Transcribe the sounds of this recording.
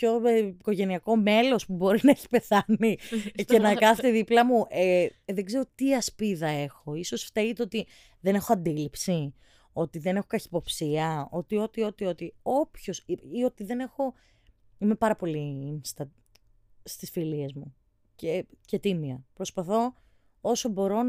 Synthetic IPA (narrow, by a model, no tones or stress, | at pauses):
ço̞iko̞ʝe̞niɐko̞me̞lo̞spubo̞ɾinɐeçi̥pe̞θɐnicenɐkɐθit̪eðiplɐmuʔeðeɡze̞ɾo̞t̪iɐspiðɐe̞xo̞iso̞sft̪eɣit̪eo̞t̪i | ðe̞ne̞xoɐnd̪ilipsi | o̞t̪iðe̞nexo̞kɐçipo̞psiɐo̞t̪io̞t̪io̞t̪io̞t̪io̞pço̞siio̞t̪iðe̞ne̞xo̞ | ime̞pɐɾɐpo̞liinst̪ɐ | st̪isfilie̞zmu | cece̞t̪imiɐpɾo̞spɐθo̞ | o̞so̞bo̞ɾo̞